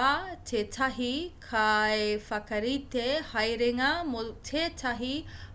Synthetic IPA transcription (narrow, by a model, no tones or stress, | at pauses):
at͡ʃʰet͡ʃʰaɦikʰaefɐkəɾit̪ʰehajɾeŋamut͡ʃʰet͡ʃʰaɦi